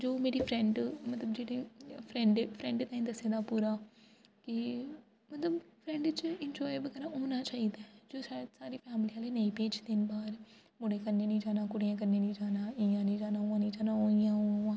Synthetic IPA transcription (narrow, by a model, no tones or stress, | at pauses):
d͡ʒoːmeːɾiːpʰɾɛ̃ɳɖmət̪ləbd͡ʒeːɽiːpʰɾɛ̃ɳɖpʰɾɛ̃ːɳɖt̪ãːĩːd̪əsːeːd̪aːpuːɾaːkɪ | mət̪ləbpʰɾɛ̃ːɳɖt͡ʃɪnd͡ʒɔːɪbəɡɛːɾãːoːnaːt͡ʃaːiːd̪aːd͡ʒoːsasaːɾiːpʰɛːmliːãːleːneĩːpeːt͡ʃd̪ɪnbaːɾ | mʊɽeːkəɾneːnĩːd͡ʒaːnãːkʊɽijãːk̬əɾneːnĩːd͡ʒaːnãːɪãːnĩːd͡ʒaːnaːʊãːnĩːd͡ʒaːnãːoːɪjãːoːãː